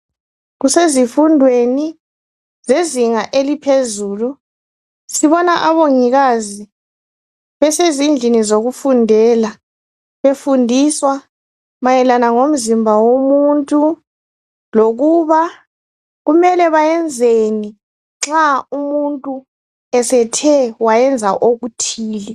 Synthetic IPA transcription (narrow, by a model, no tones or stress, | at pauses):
ɣusezifundʱweni | zeziŋaʔelipʰezuːlu | siβɔnaʔaβoŋiɣazi | βɛsezind͡ɮʱinizoɣufundʱɛːla | βefundʱiswa | majɛlanaŋom̩zimbʱawomuntʼu | loɣuβa | ɣumɛlɛβajɛnd͡zʱeni | ŋ͡ǁaumuntʼu | ɛsɛtʰɛwajɛnd͡zʱaʔoɣutʰiːlɛ